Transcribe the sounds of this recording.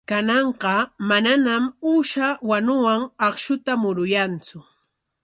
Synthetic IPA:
kanɑɴqɑmananamuːʃawanʊwaŋɑχʃʊt̪amʊɾʊjant͡sʊ

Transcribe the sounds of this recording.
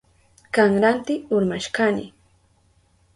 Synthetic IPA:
kaŋɾant̪ɪʊɾmaʃkanɪ̰

